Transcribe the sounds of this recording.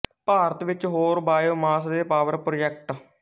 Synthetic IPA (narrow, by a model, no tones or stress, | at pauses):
paːɾət̪ʋɪt͡ʃɦoːɾbaːjoːmaːsd̪eːpaːʋəɾpɾoːd͡ʒɛk̚ʈ